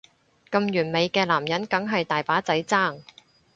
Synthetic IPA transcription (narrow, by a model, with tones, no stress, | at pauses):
kɐ˧mjyː˨˩nme˨˧jkɛː˧laː˨˩mjɐ˨˥nkɐ˨˥ŋɦɐ˨jt̪aː˨jpaː˨˥t͡sɐ˨˥jt͡saː˥˩ŋ